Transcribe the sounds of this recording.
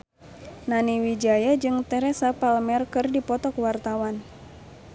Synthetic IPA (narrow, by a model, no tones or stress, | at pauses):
naniwid͡ʒajad͡ʒɨŋt̪ɛɾɛsapalmɛrkɨrdipɔt̪ɔkwart̪awan